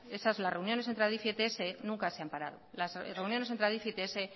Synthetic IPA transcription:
e̞sazlasre̞unjo̞ne̞s̬ent̪ɾaðifet̪eese̞nũŋkase̞ampaɾa̰ðo̰lasre̞unjo̞nes̬ent̪ɾaðifet̪eese̞

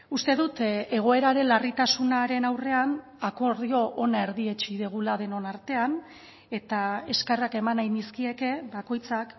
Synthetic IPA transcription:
ust̪e̞ðut̪e̞ɣ̞o̞e̞ɾaɾe̞nlarit̪asunaɾe̞nawre̞an | ako̞ɾðio̞ʔonae̞ɾðie̞t͡ʃiðeɣ̞ulað̞e̞no̞naɾt̪e̞an | e̞t̪ae̞skerake̞manajniskie̞ke̞βako̞jt͡sak

